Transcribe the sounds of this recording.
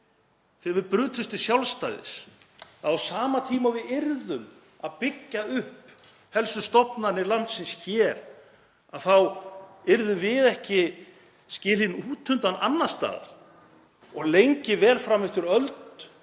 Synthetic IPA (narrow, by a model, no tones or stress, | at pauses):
θɪːvɪðpɾʏːt̪ʰʏst̪ɪ̥sjawlst̪ajðɪ̰s | θaðawsaːmat̪ʰiːmavɪðɪɾðʏm | aðpɪcːaʏhp | hɛlsʏst̪ɔpnanɪɾlan̥t̪sɪnsçɛːɾ | aðθawɪɾðʏmvɪðɛhcɪ | scɪːlɪnuːt̪ʰʏnt̪ananːast̪a̰ːɣa̰ | ɔɣlejɲcɪvɛːlfɾamɪft̪ʏɾœlt̪